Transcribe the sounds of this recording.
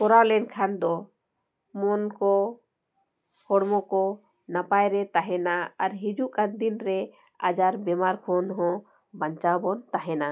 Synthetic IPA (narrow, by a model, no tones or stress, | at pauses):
kɔɾalɛnkʰand̪ɔ | mɔnkɔ | hɔɽmɔkɔ | napajɾɛt̪aɦɛnaaɾɦid͡ʒuʔkand̪inɾɛ | a̰d͡ʒaɾbɛmaɾkʰɔnɦɔ̃ | baɲt͡ʃabɔnt̪aɦɛna